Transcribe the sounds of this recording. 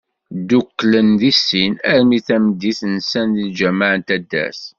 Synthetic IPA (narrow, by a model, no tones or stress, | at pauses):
d̪ukːlənðisːinæɾmiθæməd̪ːiθnsænðild͡ʒæmaʕənt̪æd̪ːæ̰s